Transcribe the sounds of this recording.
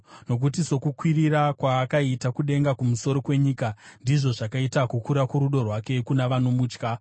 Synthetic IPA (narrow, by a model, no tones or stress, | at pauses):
no̞k̬ut̬iso̞kukwiriɾakwaːkaitakuɗe̞ŋɡakumuso̞ɾo̞kwe̞ɲiːkandiʐo̞ʐakaitakukuɾakuɾuɗo̞rwake̞kunaʋanomuːt͡ʃka